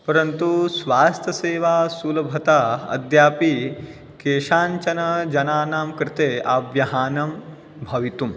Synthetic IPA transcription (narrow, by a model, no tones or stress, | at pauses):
pɐɾɐnt̪usʋaːst̪ʰjɐseːʋaːsuːlɐbʱɐt̪aɐ̰d̪jaːpi | keːʃaːnt͡ʃɐnɐd͡ʒɐnaːnaːmkɾɪt̪eːabjɐɦaːnɐm | bʱɐʋit̪um